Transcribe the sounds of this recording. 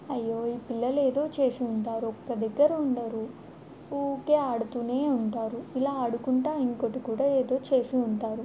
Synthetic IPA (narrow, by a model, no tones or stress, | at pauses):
ɐjːoːiːpilːɐle̞ːd̪o̞ːt͡ʃe̞ːʂiuɳʈaːɾuɔkːɐd̪ɛɡːɐɾuɳɖɐɾu | oːke̞ːaːɽut̪uːneːuɳʈaːɾuilaːɐɽukuɳʈaːiŋko̞ʈikuːɽaːe̞ːd̪o̞ːt͡ʃe̞ːʂiuɳʈaːɾu